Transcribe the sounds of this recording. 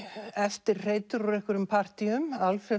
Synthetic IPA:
ɛft̪ɪɾr̥eːjt̪ʏɾɔɾehkʏɾʏmpʰar̥t̪iʏmalfɛ

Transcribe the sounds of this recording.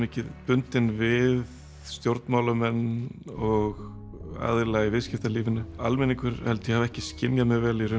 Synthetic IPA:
mehcɪðpʏnt̪ɪnvɪð | st̪jowɾt̪nmaːwlʏmɛnːɔɣ | a̰ðɪɾlaɣɪvɪðscɪft̪aliːvɪnʏalmɛniŋkʏɾ̥hɛlt̪ʏjɛhavɛhcɪscɪnjamɛvɛːlirʏ

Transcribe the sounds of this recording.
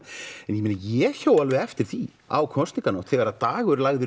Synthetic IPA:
ɛnjɛmɪːnajɛçoːwalvɪɛft̪ɪɾ̥θi | a̰wkʰɔnst̪nikanowht̪θɛɣaɾaðt̪aːɣʏɾlaɣðɪ

